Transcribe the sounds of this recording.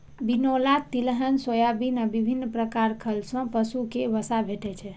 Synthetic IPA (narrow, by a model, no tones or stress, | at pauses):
binolat̪ilɦənsojabinəbibʱinːpɾəkaɾkʰəlsə̃pəsukeʋəsabʱeʈɛt͡ʃʰɛ